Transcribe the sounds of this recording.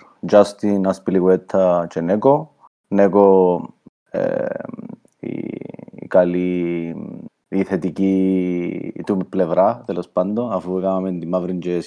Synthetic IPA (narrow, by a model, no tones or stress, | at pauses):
d͡ʒast̪inaspiliɡwɛt̪ʰːat͡ʃɛnɛko | nɛko | ḛ | ḭ | kali | iθet̪iki | t̪umpːlɛvɾat̪elospand̪oafuɛkamamend̪imavɾind͡ʒɛs